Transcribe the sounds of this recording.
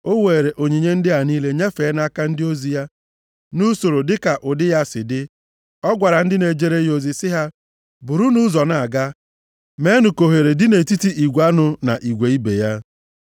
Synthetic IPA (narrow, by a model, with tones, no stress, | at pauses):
o˦weː˨ɾe˨ʔo˨ɲi˨ɲe˦n̩˦dɪ˦ɦa˨niː˦le˦ɲe˦feː˨˦na˦ka˦n̩˦dɪ˦o˦zi˨ja˦ | nu˦so˨ɾo˨dɪ˦ka˨ʔʊ˨dɪ˦ja˦sɪ˨dɪ˦ | ɔ˦ɡʷa˨ɾa˨n̩˦dɪ˦ne˨d͡ʒe˦ɾe˦jo˨zi˨sɪ˦ɦa˦ | bʊ˨ɾu˦nu˦zɔ˨na˨a˨ɡa˦ | me˦nu˨ko˨ɦe˨ɾe˨dɪ˦ne˨ti˦ti˦ʔi˨ɡʷa˦nʊ˨na˨ʔi˨ɡʷe˨i˦bḛ˨ja˦